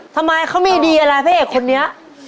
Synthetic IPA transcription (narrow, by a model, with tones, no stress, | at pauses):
t̪ʰa˧mːa˧jkʰa˦˥wmiː˧diː˧ʔa˧ɾa˧jpʰa˦˥heː˨˩kʰo˧nːi˦˥ɐʔ